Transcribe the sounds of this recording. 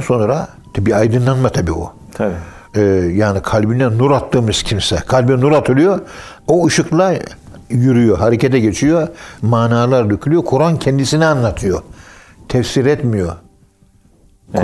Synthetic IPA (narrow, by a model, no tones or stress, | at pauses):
d̪nso̞nɾa | t̪ʰabiajd̪ɯnlˠanmat̪ʰabḭːo̰ | t̪i | ɯːjaːnikʰalʲbinɛnuɾat̪ːɯːmɯz̥cʰimsɛkʰalʲbinnuɾat̪ʰɯlˠɯjo | oɯʃɯklˠa | jyɾyjo̞ɦaɾecʰɛt̪ʰɛɟet͡ʃʰijomaːnaːlˠaɾd̪ycʰylʲyjo̞kʰuɾancʰɛnd̪isinianlːˠat̪ʰɯjo | t̪ʰɛfsiɾɛt̪mijo̞ | k